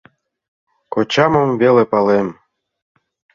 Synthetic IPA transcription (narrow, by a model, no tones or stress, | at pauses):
kot͡ɕɑmŏmvʲelepɑlem